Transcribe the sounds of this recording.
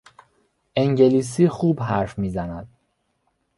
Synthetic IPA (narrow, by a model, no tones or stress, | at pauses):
ʔe̞ŋɟe̞liːs̬iːxuːbɦæɾfmiːzænæd̪̥̚